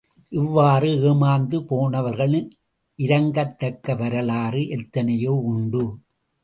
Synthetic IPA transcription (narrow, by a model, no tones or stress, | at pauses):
ʔɪʋːaːrɯeːmaːnd̪ɯpoːnɐʋɐɾɣɐɭɯn | ʔɪɾɐŋɡɐt̪ːɐkːɐʋɐɾɐlaːrɯʔɛt̪ːɐnɐjoːʊɳɖɯ